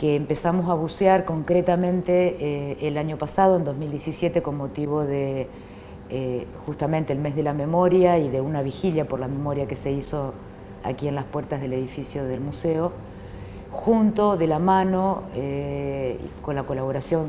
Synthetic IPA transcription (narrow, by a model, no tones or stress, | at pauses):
keːmpe̞samo̞saβusjaɾko̞ŋkɾet̪amẽnt̪eːlaɲo̞pasað̞o̞end̪o̞zmild̪jesisje̞t̪e̞konmo̞t̪iβo̞ðe | xust̪amẽnt̪eːlme̞zðelame̞mo̞ɾjaiðe̞unaβixiljapoɾlame̞mo̞ɾjake̞se̞iso̞ | a̰kie̞nlaspweɾt̪azð̞e̞le̞ðifisjo̞ðe̞lmuseo̞ | xunt̪o̞ðe̞lamano̞ḛ | ko̞nlakolaβ̞o̞ɾasjo̞n